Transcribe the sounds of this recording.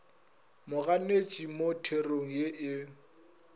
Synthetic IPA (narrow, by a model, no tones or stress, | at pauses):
mʊɣanet͡ʃʼimotʰeroŋ̩jeʔɪ